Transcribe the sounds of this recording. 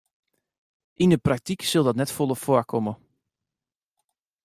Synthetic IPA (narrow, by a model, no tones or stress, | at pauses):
ʔindəprak̚tiksɵlˠdɔtnɛtfolˠəfʊəkʰɔmə